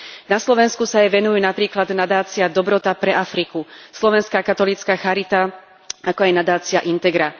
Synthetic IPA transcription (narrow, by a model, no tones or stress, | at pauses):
naslɔʋɛnskusajɛʋɛnujuːnapɾiːklad̪nad̪aːt͡siad̪ɔbɾɔt̪apɾɛʔafɾikuslɔʋɛnskaːkat̪ɔliːt͡skaːxaɾit̪a | akɔajnad̪aːt͡siaʔint̪ɛɡɾa